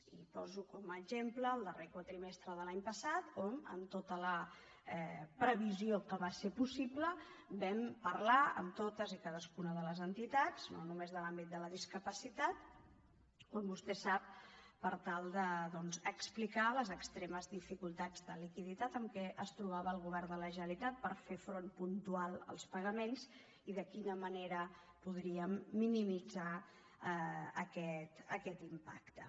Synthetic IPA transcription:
ipɔzukɔməːʒempləːlˠd̪ərekwat̪ɾimest̪ɾəðəlaɲpəsat̪omə̰mt̪ot̪ələ | ɛpɾəβiziokəβasepusipləbɛmpəɾlaə̰mt̪ot̪əzikaðəskunəðələzənt̪it̪at͡snonumezðəlambit̪̚d̪ələðiskəpəsit̪at̪̚ | ombust̪ɛsap̚ | pəɾt̪alˠd̪əðɔnzəksplikaləzəkst̪ɾeməzðifikulˠt̪ad͡zðəlikiðit̪at̪əmkɛʔəst̪ɾuβ̞aβəːlˠɣ̞uβ̞ɛɾnd̪ələʒənəlit̪at̪̚pəɾfefɾonpunt̪ualˠə̰lˠspəɣəmenz | iðəkinəməneɾə | puð̞ɾiəmːinimid͡za | əkɛt̪əkɛt̪impa̰kt̪ə̰

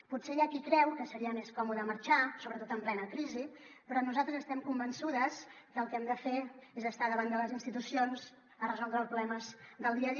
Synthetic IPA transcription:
putseʒakikɾɛwkəsəɾiəmeskɔmuðəməɾt͡ʃasoβɾət̪ot̪əmplɛnəkɾizi | pɾɔnuzalˠt̪ɾəzəst̪ɛmkumbənsuðəz | kəlˠkɛmd̪əfeezðəst̪aðəβand̪ələzinst̪it̪usionz | ərəzɔlˠd̪ɾəlˠspɾuβlɛməzðəlˠd̪iəði

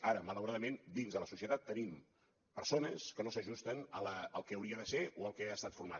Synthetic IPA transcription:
aɾəmələwɾaðəmend̪inzðələsusiət̪at̪ːənim | pəɾsonəskənosəʒust̪ənələəlˠkɛːwɾiəðəseoəlˠkɛast̪at̪fuɾma̰t̪

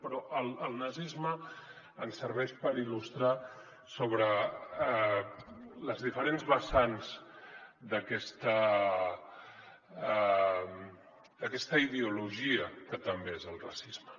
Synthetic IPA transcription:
pɾɔʔəlˠəlˠnəzizmə | ənsəɾβɛʃpəɾilust̪ɾa | soβɾə | ləzðifəɾenzβəsanz̥ | d̪əkɛst̪ə | m | d̪əkɛst̪əiðeuluʒiəkət̪əmbeezəlˠra̰sizmə

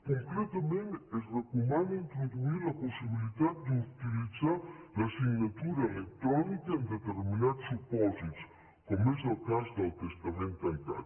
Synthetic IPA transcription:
koŋkɾet̪ament̪ezvakumanoint̪ɾod̪uiɾlaposːibilit̪ad̪iut̪ilid̪zaɾlasiɲɲat̪uɾeelekt̪ːɾɔnikeind̪et̪erminat̪supɔzit̪s | komɛsalkasd̪elt̪est̪ament̪alit̪a̰

